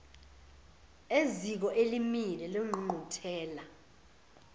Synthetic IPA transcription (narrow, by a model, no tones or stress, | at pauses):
ezik̬ɔʔelimilɛloŋ͡ǃŋ͡ǃutʰɛːla